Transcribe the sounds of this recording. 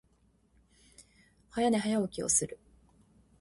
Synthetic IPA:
hajaneɦajaokʲio̰sɨɾɯ̟

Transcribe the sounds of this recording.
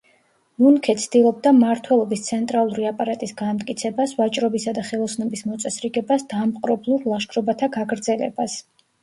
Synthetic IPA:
munkʰɛt̪sʰd̪ilˠɔbd̪amaɾt̪ʰwɛlˠɔbist̪sʰɛnt̪ʼɾalˠuɾiapʼaɾat̪ʼisɡamt̪ʼkʼit̪sʰɛbasvat͡ʃʼɾɔbisad̪aχɛlˠɔsnɛbismɔt̪sʼɛsɾiɡɛbasd̪amqʼɾɔblˠuɾlˠaʃkʰɾɔbat̪ʰaɡaɡɾd̪zɛlɛ̰bas

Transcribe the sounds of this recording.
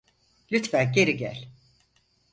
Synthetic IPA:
lʲyt̪fænɟe̞ɾiɟæ̰lʲ

